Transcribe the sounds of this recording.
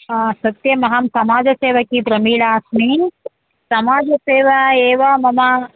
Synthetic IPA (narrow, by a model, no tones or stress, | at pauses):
sɐt̪jɐmɐɦɐmsɐmaːd͡ʒɐseːʋɐkibɾɐmiːɭaːsmi | sɐmaːd͡ʒɐseːʋɐeːʋɐmɐmɐ